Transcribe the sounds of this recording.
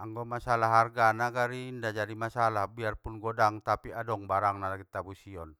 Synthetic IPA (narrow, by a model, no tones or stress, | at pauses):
aŋɡɔmasalaɦarɡanaɡaɾindad͡ʒaɾimasalahbiarpunɡɔdaŋt̪apiadɔŋbaɾaŋnalaɡit̪abusiɔn